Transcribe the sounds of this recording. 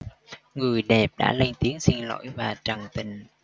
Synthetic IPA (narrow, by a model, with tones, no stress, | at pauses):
ŋɨ˨˩əjɗɛ˨˩p̚ɗa̰ː˧˥lə˧ŋt̪i˨˦əŋsi˧ŋlo̰˧˥jvaː˨˩t͡ɕə˨˩ŋt̪ï˨˩ŋ̟